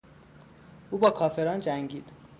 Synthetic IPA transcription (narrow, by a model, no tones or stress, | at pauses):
ʔuːbɒːkʰɒːfe̞ɾɒːnd͡ʒæŋɟiːd̪̥